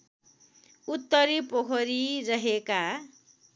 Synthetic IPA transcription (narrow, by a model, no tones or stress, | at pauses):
ut̪ːʌɾipokʰʌɾirʌɦeka